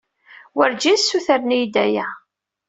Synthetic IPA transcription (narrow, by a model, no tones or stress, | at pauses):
wəɾd͡ʒisːuθəɾnijd̪æjæ